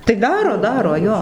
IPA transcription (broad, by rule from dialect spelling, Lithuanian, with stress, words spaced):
tɐɪ ˈdɑːroː ˈdɑːroː ˈjoː